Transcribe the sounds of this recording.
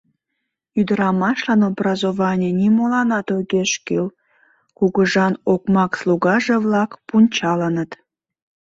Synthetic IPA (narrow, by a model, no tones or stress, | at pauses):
yd̪əɾɑmɑʃlɑnobrɑzoβɑnʲenimolɑnɑt̪oɣeʃkil | kuɣəʒɑnokmɑksluɣɑʒevlɑkpunʲt͡ɕɑlənət̪